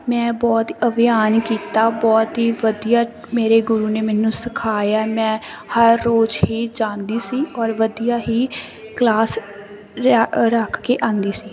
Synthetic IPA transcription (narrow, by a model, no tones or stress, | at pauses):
mɛ̃ːbɔːt̪əʋɪjaːnkiːt̪aːbɔːt̪ɦiːʋəd̪ijaː | meːɾeːɡʊɾuːneːmɛːnũːsɪkʰaːjaːmɛ̃ːhəɾːoːd͡ʒɦiːd͡ʒãːnd̪iːsiːɔːɾʋəd̪ijaːɦiː | klaːs | ɾəkʰkeːʔãːnd̪iːsiː